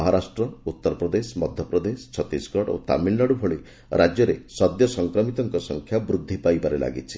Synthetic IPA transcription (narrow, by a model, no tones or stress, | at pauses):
ɔɦɔɾasʈɾɔut̪ːɔɾpɾɔd̪esmɔd̪ʱjɔpɾɔd̪est͡ʃʰɔt̪isɡʱɔɽo̰t̪a̰milnɔɽubʱɔɭi | ɾʔad͡ʒjɔɾesɔd̪jɔsɔŋkɾɔmit̪ɔŋkɔsɔŋkʰjabɾud̪ʱːipajbaɾela̰ɡit͡ʃʰi̥